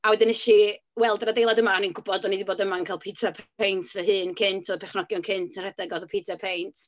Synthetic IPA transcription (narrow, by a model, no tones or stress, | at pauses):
awɛdɪnɪʃi | wɛlˠdnadejlˠadəmaninɡʊbɔdɔniðiboːdəmankʰaːlˠpʰitʰapʰejntʰvɛɦɨːnkʰɪntʰɔðpʰɛχnɔɡjɔnkʰɪntʰənr̥ɛdɛɡɔðɔpʰiːtʰapʰejntʰ